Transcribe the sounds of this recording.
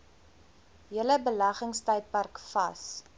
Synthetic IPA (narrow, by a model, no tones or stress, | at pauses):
jələbəlɐχəŋstɐjt̚pɐrkfɐ̰s